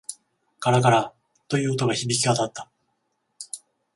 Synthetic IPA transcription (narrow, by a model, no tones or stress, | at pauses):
kaɾakaɾa | t̪o̞jɯ̟ːot̪o̞ɡaçibʲikʲiat̪at̪ːḁ